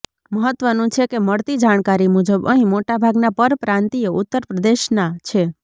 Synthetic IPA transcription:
məɦət̪ʋənũt͡ʃʰekeməɽt̪id͡ʒaɳ̃kaɾimud͡ʒəbəɦĩmoʈabʱaɡnapəɾpɾãnt̪ijoʔʊt̪ːəɾpɾəd̪eʃnat͡ʃʰe

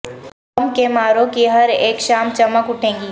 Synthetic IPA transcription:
mkemaːɾõkiɦɐɾeːkʃaːmt͡ʃɐməkʊʈʰẽːɡiː

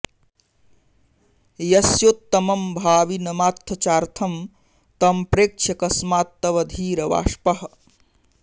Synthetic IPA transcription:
jɐsjoːt̪ːɐmɐmbʱaːʋinɐmaːt̪ʰːɐt͡ʃaːɾt̪ʰɐm | t̪ɐmpɾeːkt͡ʃʰɐkɐsmaːt̪ːɐʋɐd̪ʱiːɾɐʋa̰ːʃpɐɦ

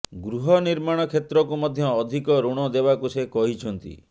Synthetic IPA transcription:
ɡɾuɦɔniɾmaɽ̃ɔkʰet̪ɾɔkumɔd̪ʱjɔːd̪ʱikɔɾuɽ̃ɔd̪ebakusekɔɦit͡ʃʰɔnt̪ḭ

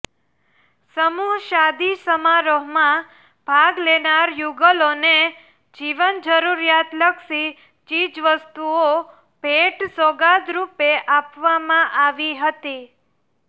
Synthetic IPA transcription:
səmuɦʃad̪isəmaɾoɦmã | b̥ʱaɡlenaɾjuɡəlone | d͡ʒiʋənd͡ʒəɾuɾjat̪ləkʃi | t͡ʃid͡ʒʋəst̪uo | peʈsoɡad̪ɾupeʔapʋamãʔaʋiɦət̪i

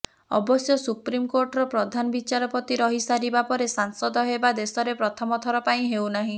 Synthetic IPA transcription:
ɔ̰bɔsjɔsupɾimkoɾʈɔɾɔpɾɔd̪ʱanɔbit͡ʃaɾɔpɔt̪iɾɔɦisaɾibapɔɾesaŋsɔd̪ɔɦebad̪esɔɾepɾɔt̪ʰɔmɔt̪ʰɔɾɔpaĩɦewnaɦĩ

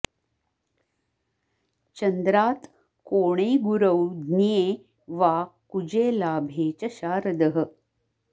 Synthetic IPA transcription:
t͡ɕɐnd̪ɾaːt̪ | koːɽ̃eːɡuɾəwd̪nijeː | ʋaːkud͡ʑeːlaːbʱeːt͡ɕɐɕaːɾəd̪əɦə

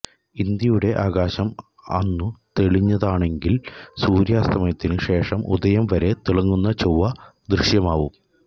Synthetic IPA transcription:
ind̪jɐjuɽe̞ʔaːɣaːɕɐm | ɐ̰nːut̪e̞ɭiɲːɐðaːɳe̞ŋɡilsuːɾjaːst̪ʰɐmɐjɐt̪ːinɨʂe̞ːʂɐmʔṵd̪ɐjɐmʋɐɾe̞t̪iɭɐŋːunːɐt͡ɕowːɐd̪ɾiɕjɐmaːʋum

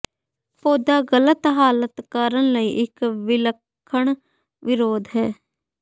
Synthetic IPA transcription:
poːd̪aɡələt̪ɦaːlət̪kaːɾəñləiʔɪkʋɪləkʰːəɽ̃ | ʋɪɾoːd̪ɦɛː

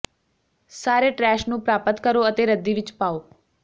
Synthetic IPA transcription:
saːɾeʈɾɛːʃnũːpɾaːpət̪kəɾoət̪eɾəd̪ːiʋɪt͡ʃpaːoː

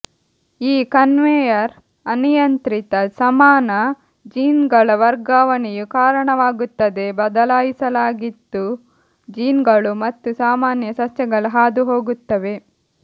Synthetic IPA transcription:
iːkɐnʋeːjɐɾ | ɐnijɐnt̪ɾit̪ɐsɐmaːnɐ | d͡ʒiːnɡɐɭɐʋɐɾɡaːʋɐɳijukaːɾɐɳɐʋaːɡut̪ːɐd̪e̞bɐd̪ɐlaːjisɐlaːɡid̪ːu | d͡ʒiːnɡɐɭumɐt̪ːusaːmaːnjɐsɐsjɐɡɐɭuɦaːd̪uɦo̞ːɡut̪ːɐʋe̞

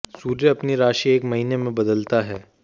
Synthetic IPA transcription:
suːɾjəɐpniɾaːʃieːkmɐɦiːnemẽbɐd̪əlt̪aɦɛː

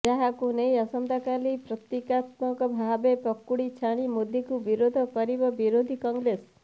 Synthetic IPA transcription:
d͡ʒaɦakunejɔsɔnd̪akalipɾɔt̪ikat̪mɔŋkɔbʱabepɔkːuɽit͡ʃʰaɽ̃imud̪ʱjikubiɾod̪ʱɔkɔɾibɔbiɾod̪ʱikɔŋɡɾes

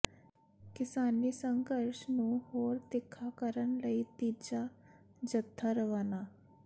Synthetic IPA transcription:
kɪsaːnisəŋɡəɾʃnũhoːɾt̪ɪkʰːaːkəɾənləit̪iːd͡ʒad͡ʒət̪ʰːaɾəʋaːnaː

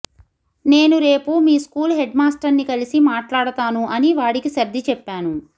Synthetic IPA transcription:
ne̞ːnuɾe̞ːpumiːskuːlɦeɖmaːsʈɐɾnikɐlisimaːʈlaːɽɐt̪aːnuʔɐniʋaːɽikiʃɐɾd̪ʱːit͡ʃɛpːaːnu

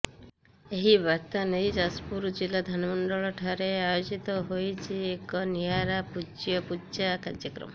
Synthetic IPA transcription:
eɦibaɾt̪anejd͡ʒaspuɾd͡ʒilad̪ʱanmɔɳɖɔɭɔʈʰaɾeajod͡ʒit̪ɔɦojt͡ʃʰiekɔnijaɾapud͡ʒjɔpud͡ʒakaɾjəkɾɔ̰mɔ

